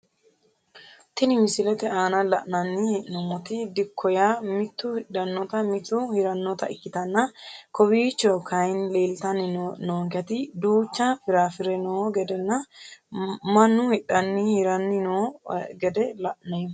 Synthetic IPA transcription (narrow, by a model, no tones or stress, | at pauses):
t̪ɪnɪmɪsɪlɛt̪ɛaːnɐlɐʔnɐnːɪhɛʔnɔmːɔt̪ɪd̪ɪkʰːɔjamɪt̪ːʊhɪᶑɐnːɔt̪ɐmɪt̪ːʊhɪɾɐnːɔt̪ɐ̰ʔɪkːɪt̪ɐnːɐkɔbiːt͡ʃːɔkʰɐjnleːlt̪ɐnɪnoːŋkɛt̪ɪd̪uːt͡ʃːɐfɪɾaːfɪɾɛnɔːɡɛd̪ɛnːɐ | mɐnːʊhɪᶑɐnːɪhɪɾɐnːɪnɔɡɛd̪ɛlɐʔnɐj